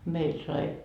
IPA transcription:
meil sɑi

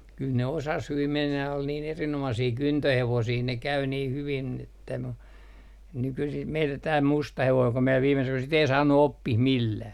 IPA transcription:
kyl ne kyl ne osɑs hyʋim menːæj jɑ ol niːn erinomɑsiː kyntøheʋosiː ne kæy niː hyʋin etːæ mu nykysim meilːæ tæː mustɑ heʋoiŋ ku mie ʋiːme syk sit ei sɑːnːu opːih milːæː

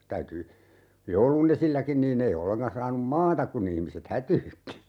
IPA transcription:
tæyty joulun esilːækin niːnː ei olːeŋkɑn sɑːnum mɑːtɑk kun ihmiset hætyːtːi

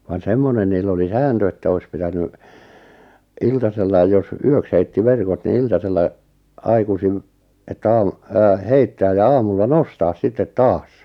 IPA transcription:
ʋɑn semːonen niːlː oli sæːntø etːæ ois pitæny iltɑselːɑi jos yøks heitːi ʋerkot ni iltɑselːɑ ɑikusim etːæ ɑːm ɑː heitːæːj jɑ ɑːmulːɑ nostɑːs sitːet tɑːs

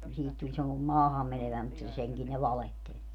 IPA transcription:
siːhit tulʲ semːo mɑːhɑmːeneʋæi mutːɑ seŋkin ne ʋɑlehtelʲ

